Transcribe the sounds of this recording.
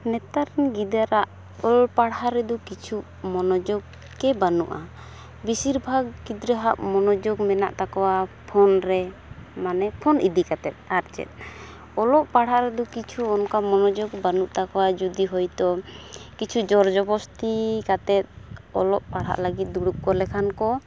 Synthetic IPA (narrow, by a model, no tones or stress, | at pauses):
nɛt̪aɾɛnɡid̪aɾaʔ | ɔlpaɽaɾɛd̪ɔkit͡ʃʰu | mɔnɔd͡ʒɔɡ | kɛbanṵʔa | bisiɾbʱaɡkid̪ɾɛɦaʔ̚mɔnɔd͡ʒɔɡmɛna̰ʔt̪akɔwapʰɔnɾɛ | manɛpʰɔnid̪ikat̪ɛt̪̚aɾt͡ʃɛ̰t̪̚ | ɔlɔʔpaɽɦaʔɾɛd̪ɔkit͡ʃʰuɔnkamɔnɔd͡ʒɔɡbanuʔt̪akɔwad͡ʒud̪iɦɔjt̪ɔkit͡ʃʰud͡ʒɔɾd͡ʒɔbɔst̪ikat̪ɛt̪̚ɔ̰lɔʔpaɽɦa̰ʔləɡit̪̚d̪uɽuʔ̚kɔlɛkʰankɔ